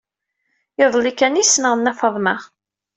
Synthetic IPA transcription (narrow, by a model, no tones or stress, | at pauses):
jəðˤlikːænisnəʁənːæfɑðˤməʁ